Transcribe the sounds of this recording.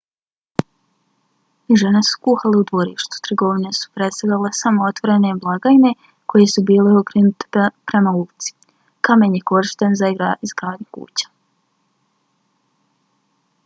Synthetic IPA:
iʒe̞nesu̥kuːxaleud̪ʋoɾḭːʃt̪u̥t̪ɾɡo̞ʋinesu̥pɾe̞t̪st̪aalesamoot̪ʋoɾeneblˠaɡaine̞ | ko̞jesubiːleokɾenut̪e̥pɾe̞mault̪si̥ | kame̞ːnjeko̞ɾiʃt̪anzaiɡɾaːizɡɾaːd̪ɲukṵːt͡ɕḁ

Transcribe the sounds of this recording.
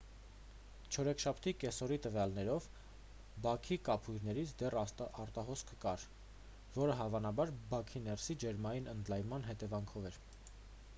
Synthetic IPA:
t͡ʃʰɔɾɛkʰʃɑpʰt̪ʰikɛsɔɾit̪əvjɑlnɛɾɔv | bɑkʰikɑpʰujɾnɛɾit͡sʰd̪ɛrɑɾt̪ɑɦɔskʰə̥kɑɾ | vɔɾəɦɑvɑnɑbɑɾbɑkʰinɛrsid͡ʒɛɾmɑjinənd̪lɑjmɑnɦɛt̪ɛvɑŋkʰɔvɛɾ

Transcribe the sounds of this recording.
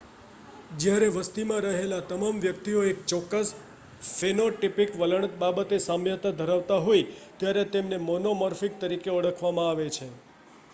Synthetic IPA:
d͡ʒjaɾeʋəst̪imãɾəɦelat̪əmamʋjəkt̪ioekt͡ʃɔkːəs | fenoʈipikʋələɳ̃ət̪̚babət̪esãmjət̪ad̪ʱəɾaʋt̪aɦoit̪jaɾet̪emnemɔnoməɾfik̚t̪əɾikeəɽəkʰʋamãaʋet͡ʃʰe

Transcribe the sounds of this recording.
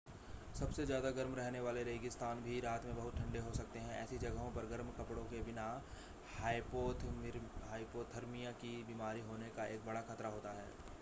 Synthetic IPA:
sɐbsezjaːd̪aɡɐɾmɾɛɦneʋaːleɾeːɡɪst̪aːnbʱiɾaːt̪mẽbɐɦʊt̪̚ʈʰɐ̃ɳɖeɦosɐk̚t̪eɦɛ̃ɛ̰ːsid͡ʒɐɡəɦõpɐɾɡɐɾmkɐpɽõkebɪna | haːɪpoːt̪ʰɦaːipoːt̪ʰɐɾmijãkibiːmaːɾiɦoːnekaeːk̚bɐɽaxɐt̪ɾaɦoːt̪aɦɛ̰ː

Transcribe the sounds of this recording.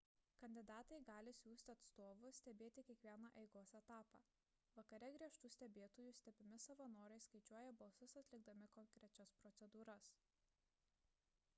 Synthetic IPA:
kɐnʲd̪ʲɪd̪ɑːt̪ɐɪɡɑːlʲɪsʲuːsʲt̪ʲɪɐt̪st̪oːʋʊsʲt̪ʲɛbʲeːt̪ʲɪkʲiɛkʋʲiɛnɑʔɛɪɡoːsɛt̪ɑːpɑ̰ː | ʋɐkɐɾʲɛɡɾʲiɛʃt̪usʲt̪ʲɛbʲeːt̪oːjusʲt̪ʲɛbʲɪmʲɪsɐʋɐnoːɾɐɪskɐɪt͡ʃʲuɔjɛbɐlˠsʊsɐt̪ʲlʲɪɡ̚d̪ɐmʲɪkɔŋʲkɾʲɛt͡ʃʲɛspɾɔt̪sʲɛd̪uːɾɐs

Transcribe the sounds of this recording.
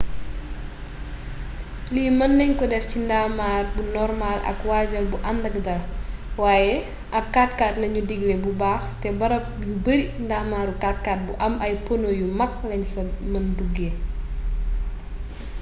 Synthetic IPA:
liːmɐnːɛɲkɔdɛfcindaːmaːrbunɔrmaːlɐ̰kwaːɟɐlbuʔɐmdɐkdɐlwaːjɛ | ʔɐp̚kaːtkaːtlɐɲudiɡlɛbubaːxtɛbɐɾɐp̚jubɐɾindaːmaːɾukaːtkaːt̚buʔɐmʔɐjpɔnojumɐk̚lɐɲfɐmɐnduɡːe

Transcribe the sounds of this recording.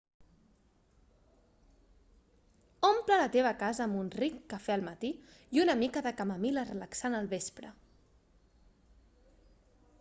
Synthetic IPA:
omplələt̪eβ̞əkazəːmunrikːəfɛəlˠmət̪iiunəmikəðəkəməmilərələksanəlˠβespɾə

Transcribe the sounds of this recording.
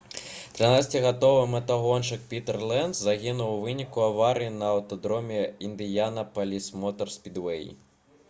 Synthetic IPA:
t̪ɾɪnɑsʲtʲiɦɐt̪ɔʋɪmet̪ɐɦɔnt͡ʃɪk̚pʲit̪erlˠɛnzzɐɦʲɪnʊwʋɪnʲikʊɐʋɑɾʲijinɐɐwt̪ɔd̪ɾɔmʲiind̪ʲɪjɑnɐpɐlʲismɔt̪ɔrsʲpʲid̪ʋɛjḭ

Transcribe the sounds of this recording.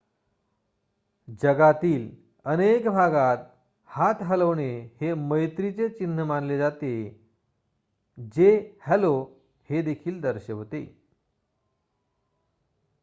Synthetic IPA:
d͡ʑəɡat̪iːl | ənekbʱaɡat̪ | hat̪ɦələʋɳeheməjt̪ɾit͡set͡ɕin̤ːəmanled͡zat̪e | d͡ʑehɛlo | hed̪ekʰiːld̪əɾɕəɦot̪ḛ

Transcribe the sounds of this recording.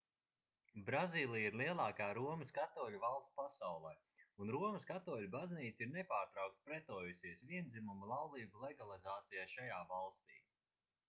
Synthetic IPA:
bɾaziːlˠijiɾliɛlˠɑːkaːɾuɔmɨskat̪ɔːlʲuvalˠst̪pasawlˠɛj | unɾuɔməskat̪ɔːlʲubazniːt̪siɾnɛpaːɾt̪ɾawk̚t̪̚pɾɛt̪ɔːjusiɛsviɛnd̪zimumalˠawlˠiːbulˠɛɡalˠizaːt̪sijaːʃajaːvalˠst̪ḭː

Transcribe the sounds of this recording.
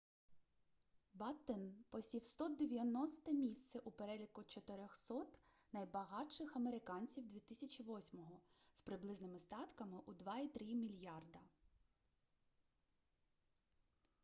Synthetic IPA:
bɑt̪ːɛnpɔsʲiwst̪ɔd̪eʋʲjɐnɔst̪ɛmʲisʲt̪sɛʔupeɾɛlʲikʊt͡ʃɔt̪ɪɾʲɔxsɔt̪ | nɐjbɐɦɑʃɪxɐmeɾɪkɑnʲt͡sʲiwd̪ʲʋʲit̪ɪsʲɐt͡ʃʲiʋɔsʲmɔɦɔspɾɪblˠɪznɪmɪst̪ɑt̪kɐmɪʔud̪ʋɑit̪ɾimʲilʲjɑrd̪ɐ

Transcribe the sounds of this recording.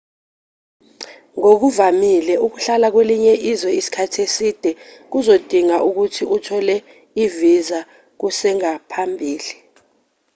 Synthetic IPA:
ŋok̬uvamilɛuk̬uɬalak̬weliɲɛʔizwɛisi̥kʰatʰesid̥ʱɛk̬uzod̥ʱiŋaʔuk̬utʰiʔutʰɔlɛ | iviza | k̬usɛŋapʰambʱiːli

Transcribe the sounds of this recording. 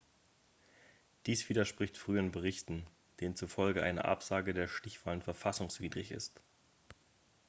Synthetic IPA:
d̥iːsv̥iːdɐʃpʁ̥ɪçtfʁ̥yːənbəʁɪçtn̩ | d̥eːənt͡sufɔlɡəʔa̰ɪnə̰ʔa̰pz̥aːɡədeːɐʃtɪçv̥aːlənfɛɐfasʊŋsv̥iːdʁɪçɪ̰st

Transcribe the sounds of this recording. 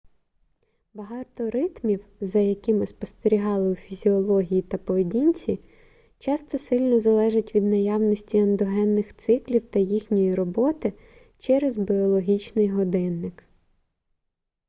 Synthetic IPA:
bɐɦɑt̪ɔɾɪt̪mʲiwzɐjɐkɪmɪspɔst̪eɾʲiɦɑlˠɪufʲizʲiɔlˠɔɦʲijit̪ɐpɔʋedʲinʲt͡sʲi | t͡ʃɑst̪ɔsɪlʲnɔzɐlˠɛʒɪtʲʋʲid̪nɐjɑwnɔsʲtʲiɐnd̪ɔɦɛnːɪxt̪sɪklʲiwt̪ɐjixnʲɔjiɾɔbɔt̪ɪ | t͡ʃɛɾezbʲiɔlˠɔɦʲit͡ʃnɪjɦɔd̪ɪnːɪk

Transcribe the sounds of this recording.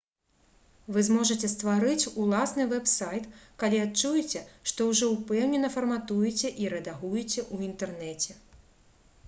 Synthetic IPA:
vɨzmɔʐɐt͡sʲɛst̪vaɾɨt͡sʲulˠasnɨvɛpsajt̪kalʲiatt͡ʂujɛt͡sʲɛʂt̪ɔwʐɔupɛwnʲɛnɐfɐrmat̪ujɛt͡sʲɛʔiɾɛd̪aɣujɛt͡sʲɛʔuint̪ɛrnɛt͡sʲɛ

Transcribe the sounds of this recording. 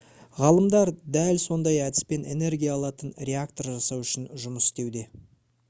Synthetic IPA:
ʁɑlˠəmd̪ɑɾd̪ælso̞nd̪ɑjæd̪ɪ̥spe̞ne̞̰ne̞ɾɡʲijaːlˠɑt̪ənrʲe̞ak̚t̪o̞ɾʒɑsɑwʏʃɪnʒʊməsɪ̥st̪e̞wd̪e̞

